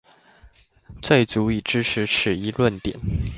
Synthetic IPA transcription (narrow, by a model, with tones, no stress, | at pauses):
t͡swe˥˩ɪt͡su˧˥i˨˩ʈ͡ʂɻ̩˥ʈ͡ʂ̩ʰ˧˦ʂɻ̩˨˩i˧˥lwə˥˨nt̪jɛ˨˦n